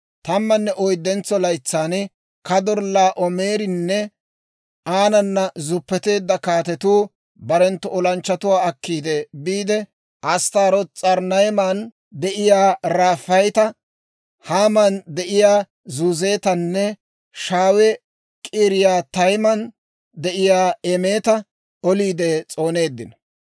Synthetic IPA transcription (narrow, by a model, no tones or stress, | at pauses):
t̪ɐmːɐnːɛʔɔjd̪ːɛnt͡sːɔlɐjt͡sːaːn | kɐd̪ɔɾlːaːʔɔme̞ːɾɪnːɛ | ʔaːnɐnːɐzʊpːɛt̪e̞ːd̪ːɐkaːt̪ɛt̪uː | bɐɾɛnt̪ːɔɔlɐnt͡ʃːɐt̪ʊwaːɐkːiːd̪ebiːd̪ɛ | ʔɐst̪aːɾɔt͡sʼɐɾnɐjmaːn | d̪ɛʔɪjaːɾaːfːɐjt̪ɐ | haːmɐnd̪ɛʔɪjaː | zuːze̞ːt̪ɐnːɛ | ʃaːwɛ | kʼiːɾɪjaːt̪ɐjmɐn | d̪ɛʔɪjaːɛme̞ːt̪ɐ | ɔliːd̪ɛt͡sʼo̞ːne̞ːd̪ːɪnɐ